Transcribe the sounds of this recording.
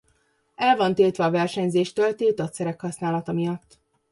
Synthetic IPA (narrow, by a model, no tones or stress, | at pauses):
ɛlvɒnt̪iːlt̪ʋɛːvɛrʃɛɲzeːʃt̪ølt̪ilt̪ɒt̪sɛɾɛkhɒsnaːlɒt̪ɒmijɒt̪ː